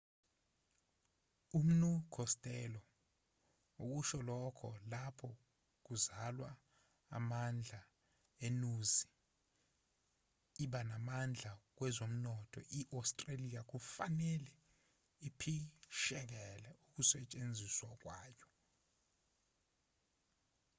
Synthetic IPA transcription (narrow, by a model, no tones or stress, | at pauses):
um̩nukʰɔstʼɛlɔ | ok̬uʃɔlɔkʰɔ̰lapʰɔ | k̬uzalwa̰ː | mand͡ɮʱa | enuzi | ɓanamand͡ɮʱak̬wɛzom̩nɔtʰɔ̰ʔiʔawstʼralijak̬ufanɛlɛ | ipʰiʃɛk̬ɛlɛuk̬usɛt͡ʃʼend͡zʱiswak̬ʼwaːjɔ